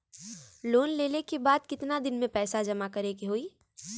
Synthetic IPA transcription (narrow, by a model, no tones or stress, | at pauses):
loːnleːlekebaːd̪̚kɪt̪nad̪ɪnmẽpɛːsad͡ʒɐmakɐɾeːɡiɦoːiː